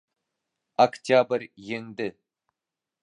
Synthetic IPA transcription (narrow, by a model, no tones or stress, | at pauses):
akt̪ʲabɾjeŋd̪ɪ